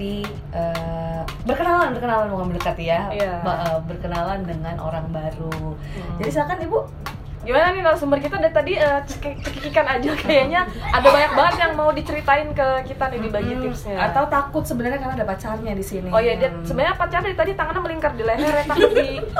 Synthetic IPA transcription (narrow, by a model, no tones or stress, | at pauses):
i | ə | bərkənalanbərkənalanmukanbələkat̪jajaʔəbərkənalandəŋanʔo̰ɾaŋbaɾu | d͡ʒadisilakanibu | ɡimananikalasəmbərkit̪adat̪adiəəkt͡ʃəkikikanad͡ʒakajaɲaadabaɲak̚baŋət̪jaŋmaudit͡ʃəɾit̪aɪnkəkit̪anidibaɡit̪ɪsɲaat̪awut̪akʊt̪səbənərɲakarnaadapat͡ʃarɲadisiniojadiasəbənɲapat͡ʃardadit̪adit̪aŋananməliŋkərdileɦɛrjat̪ai